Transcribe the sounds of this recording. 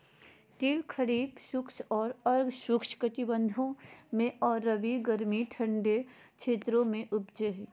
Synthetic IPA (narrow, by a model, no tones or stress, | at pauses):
ʈiːlkʰɐɾiːbʃʊkʃɔːɾɐɾɡʃʊkʃkət̪ibə̃nd̪ʱõmẽɔːɾːɐʋiɡəɾmiʈʰə̃ɳɖekt͡ʃʰeːt̪ɾõmẽʔʊpd͡ʒeɦ